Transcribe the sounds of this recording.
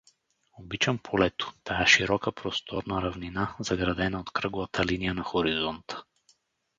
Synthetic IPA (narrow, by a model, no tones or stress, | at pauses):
obit͡ʃɐmpʰolɛt̪ʊ̥t̪ajaʃiɾɔkəpɾost̪ʰɔɾnaɾavninazɐɡɾad̪ɛnaot̪kɾɤɡʊvat̪ʰɐlinijənɐxoɾizɔnt̪ə̥